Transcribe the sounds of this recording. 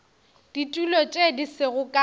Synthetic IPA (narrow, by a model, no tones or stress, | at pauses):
d̥itʼulɔt͡ʃʼedisɪɣʊkʼa